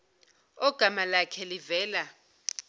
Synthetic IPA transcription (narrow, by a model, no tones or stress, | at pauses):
ɔɡ̥ʱamalakʰɛlivɛːla